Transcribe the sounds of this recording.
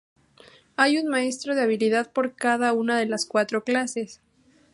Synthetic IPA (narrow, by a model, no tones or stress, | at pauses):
ajunmae̞st̪ɾo̞ð̞e̞aβiliðaðpo̞ɾkaðaunað̞e̞laskwat̪ɾo̞klase̞s